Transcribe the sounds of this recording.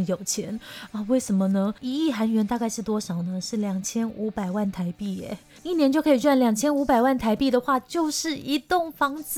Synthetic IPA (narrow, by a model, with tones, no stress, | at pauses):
jo˨˩ʊt͡ɕʰjɛ˧˥nɔ˥˧we˥˩ɪʂə˧˥nmə˧nə˧i˧˥i˥˩xa˧˥nɥɛ˧˥nt̪a˥˧ka˥˧ɪʂɻ̩˥˩t̪wɔ˥ʂɑ˨˩ʊnə˦ʂɻ̩˥˩ljɑ˨˩ŋt͡ɕʰjɛ˥nu˧˥pa˨˩ɪwa˥˩nt̪ʰa˧˥ɪpi˥˩ɛ̰˨˩˦ | i˥˩njɛ˧˥nt͡ɕjo˥˩ʊkʰɤ˧˥i˨˩ʈ͡ʂwa˥˩nljɑ˨˩ŋt͡ɕʰjɛ˥nu˧˥pa˨˩ɪwa˥˩nt̪ʰa˧˥ɪpi˥˩d̪ə˩xwa˥˧t͡ɕjo˥˧ʊʂɻ̩˥˩i˧˥t̪ʊ˥˩ŋfɑ˥ŋt͡s̩˨